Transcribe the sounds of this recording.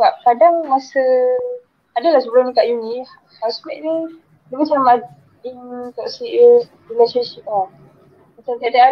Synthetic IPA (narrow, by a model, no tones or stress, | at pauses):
bap̚kadaŋmasə | adalahsəbəlʊnĩkaʔjunĩ | haspɛʔ̚ni | dəmat͡ʃama | int̪ɔksiʔ | rileʃanʃip̚la | mat͡ʃamt̪iaʔt̪iʔa